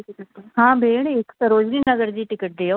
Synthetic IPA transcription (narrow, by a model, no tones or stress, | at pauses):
ɦãːbʱeːɳɪksəɾoːd͡ʒɾiːnəɡəɾd͡ʒiːʈɪkəʈ̚d͡ʒejoː